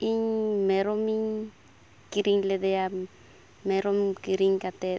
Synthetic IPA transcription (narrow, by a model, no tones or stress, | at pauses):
iɲmẽɾomiŋ | kiɾiŋled̪ea | mẽɾomkiɾiŋkat̪e